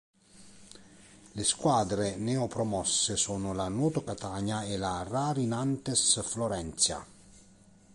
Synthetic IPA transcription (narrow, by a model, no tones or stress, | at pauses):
leskwaːd̪ɾenɛːɔpɾɔmɔsːesoːnʊlanoːt̪okat̪aːɲaelaraːɾinant̪esfloɾɛnt̪sja̰